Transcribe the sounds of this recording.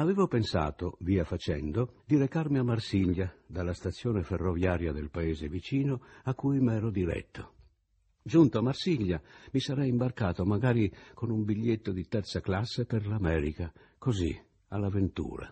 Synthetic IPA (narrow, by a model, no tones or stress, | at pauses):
aveːvopensa̰ːt̪oviːafat͡ʃɛ̰nd̪od̪iɾekaɾmiamːarsiʎːad̪alːast̪at̪sːjoːneferːovjaːɾjad̪elpaeːzevit͡ʃiːnoakːujmɛːɾod̪iɾɛ̰t̪ʰːo | d͡ʒunt̪oamːarsiʎjamisaɾɛjimbarkaːt̪omaɡaːɾikonumbiʎːet̪ːod̪it̪ɛrɾt̪saklasːepeɾlamɛːɾika | kozḭ | alavent̪ṵːɾa̰